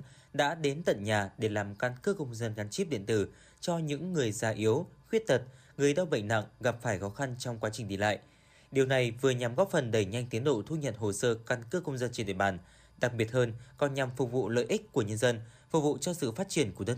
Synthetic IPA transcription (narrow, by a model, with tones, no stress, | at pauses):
ɗa̰ː˧˥ɗe˨˦nt̪ə̰˧˨nɲaː˨˩ɗe˧˩laː˨˩mka˧nkɨ˦˥kə˧wŋ͡mzə˧nɣa˨˦nt͡ɕi˦˥p̚ɗḭ˧˨nt̪ɨ˧˩ | t͡ɕɔ˧ɲɨ̰˧˥ŋːɨ˨˩əjzaː˨˧˩ʔi˨˦ə˦wxwi˦˥ət̚t̪ə˨˩t̚ | ŋɨ˨˩əjɗa˧wɓə̰˧˨jŋ̟na̰˧˨ŋɣa˨˩p̚faː˧˩jxɔ˨˦xa˧nt͡ɕɔ˧wŋ͡mkwaː˨˦t͡ɕï˨˩ŋ̟ɗi˧la̰ː˧˨jʔ | ɗi˨˩əwna˨˩jvɨ˨˩əɲa˨˩mɣɔ˦˥p̚fə˨˩nɗə˧˩jɲa˧jŋ̟t̪i˨˦ənɗo̰˧˨t̪ʰu˧ɲə̰˧˨nɦo˨˩səː˧ka˧nkɨː˦˥kə˧wŋ͡mzə˧nt͡ɕi˧˩ɗ̰ɓaː˨˩n | ɗa˨˩k̚ɓi˨˩ət̚həː˧nkɔ˨˩nɲa˨˩mfʊ˨˩k͡p̚vṵ˧˨lə̰ː˧˨jʔï˦˥k̟̚kːu˧˩əɲə˧nzə˧n | fʊ˨˩k͡p̚vṵ˧˨t͡ɕɔ˧sɨ̰˧˨faː˦˥t̚t͡ɕi˧˩ənku˧˩əɗə˧